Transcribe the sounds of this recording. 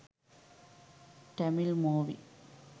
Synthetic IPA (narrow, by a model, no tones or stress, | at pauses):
ʈɐmɪlmoːʋḭ